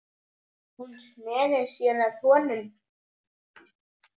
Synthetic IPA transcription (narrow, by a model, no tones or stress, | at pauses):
hunsnɛːðɪɾ̥sjɛːnaθɔːnʏn